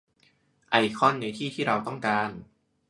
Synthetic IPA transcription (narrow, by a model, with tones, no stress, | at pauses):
ʔa˧˩jkʰɔ˥˩˨nːa˧jt̪ʰiː˥˩t̪ʰiː˥˩ɾa˧wt̪ɔ˥˩ŋkaː˧n